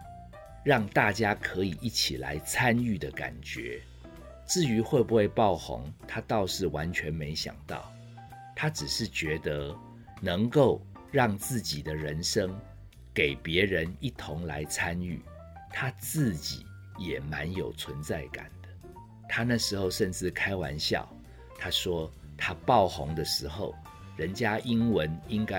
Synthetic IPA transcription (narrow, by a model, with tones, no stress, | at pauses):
ɻɑ˥˨ŋt̪a˥˨t͡ɕja˥kʰɤ˧˥i˨˩ʔi˥˩t͡ɕʰi˨˩la̰˧˦ɪt͡sʰa˦ny˥˩d̪ə˩ka̰˨˩nt͡ɕɥɛ̰˨˧˦ | t͡sɹ̩˥˩y˧˥xwe˥˧bu˧˦xwe˥˧ɪpɑ˥˨˩ʊxo̰˧˥ŋt̪ʰa˥t̪ɑ˥˧ʊʂɻ̩˥˩wa˧˦nt͡ɕʰɥɛ˧˥nme˧˥ɪɕjɑ̰˨˩ŋt̪ɑ̰˥˩ʊ | t̪ʰa˥ʈ͡ʂɻ̩˨˩ʂɻ̩˥˩t͡ɕɥɛ˧˥d̪ə˧˦ | nə˧˥ŋko˥˧ʊ | ɻɑ˥˨˩ŋt͡sɹ̩˥˩t͡ɕi˨˩d̪ə˦ɻə˧˦nʂə˥ŋ | ke˨˩ɪpjɛ˨˧˥ɻə˧˦ni˥˩t̪ʰo˧˥ŋla̰˧˦ɪt͡sʰa˦ny̰˥˩ | t̪ʰa˦t͡sɹ̩˥˨˩t͡ɕḭ˨˩˦ | jɛ˨˩ma˧˦njo˨˩ʊt͡sʰwə˧˦nt͡sa˥˩ɪka̰˨˩nd̪̥ə˦ | t̪ʰa˦na˥˨˩ʂɻ̩˧˥xo˥˧ʊʂə˥˧nt͡sɹ̩˥˩kʰa˥ɪwa̰˧˥nɕjɑ̰˥˨˩ʊ | t̪ʰa˥ʂwɔ˥ | t̪ʰa˦pɑ˥˨˩ʊxʊ̰˧˦ŋd̪ə˨ʂɻ̩˧˥xo˥˨˩ʊ | ɻə˧˦nt͡ɕja˥ʔi˥nwə˧˦ni˦˥ŋka˦